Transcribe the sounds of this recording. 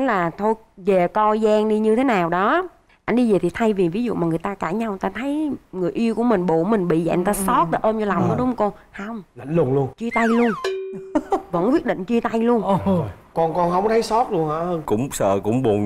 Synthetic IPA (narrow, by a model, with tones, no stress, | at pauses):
laː˨˩t̪ʰo˧j | ve˨˩kɔ˧zaː˧ŋɗi˧ɲɨ˧t̪ʰe˨˦naː˨˩wɗɔ˨˦ | ʔa˧jŋ̟ɗi˧zeː˨˩t̪ʰi˨˩t̪ʰa˧jvi˨˩vi˨˦zṵ˧˨maː˨˩ŋɨ˨˩jt̪aː˧kaː˧˩ɲa˧wt̪aː˧t̪ʰə˨˦jŋɨ˨˩əjʔi˧əku˧˩əmï˨˩ŋ̟ɓo̰˧˨mï˨˩ŋ̟ɓḭ˧˨za̰˧˨˧ŋt̪aː˧sɔ˦˥t̚ɗe˨˦ʔəː˧mt͡ɕɔ˧la˨˩wŋ͡məː˨˦ɗʊ˨˦ŋ͡mkɔ˧n | hə˧wŋ͡mla̰˧˨ŋlʊ˧˩ənlu˧ənt͡ɕi˧t̪a˧jlu˧ən | və̰˧˥nkwi˦˥ət̚ɗḭ̈˧˨ŋ̟t͡ɕi˧t̪a˧jlu˧ən | kɔ˧nkɔ˧nhə˧wŋ͡mt̪ʰə˨˦jsɔ˦˥t̚lu˧ənhaː˧˩əː˧nkʊ̰˧˥ŋ͡msə̰ː˧˨kʊ̰˧˥ŋ͡mɓu˨˩